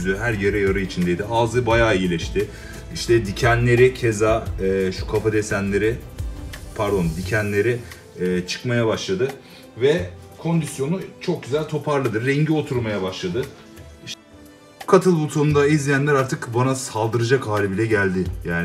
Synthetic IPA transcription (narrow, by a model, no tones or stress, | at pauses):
zd̪yɦæɾjeɾɛjaɾɯit͡ʃʰind̪ejd̪iaːzɯbajaːijilʲɛʃt̪ʰɪ | iʃt̪ʰɛd̪icʰænlʲe̞ɾɪcʰe̞zaːɛːʃu̥kʰafad̪e̞sænlʲe̞ɾɪ | pʰaɾd̪o̞nd̪icʰænlʲe̞ɾɪː | t͡ʃʰɯ̥kmajabaʃlˠad̪ɯ | vɛkʰo̞nd̪isjo̞nut͡ʃʰo̞k̚ɟyzælʲt̪ʰo̞pʰaɾlˠɯd̪ɯɾːɛɲɟio̞t̪ʰuɾmajabaʃlˠad̪ɯ | iʃ | kʰat̪ʰɯlˠbulˠt̪ʰonund̪aizlʲijænlʲæɾaɾt̪ʰɯkbanasalˠd̪ɯɾɯd͡ʒakhaːlʲibilʲɛɟælʲd̪ɪjaːn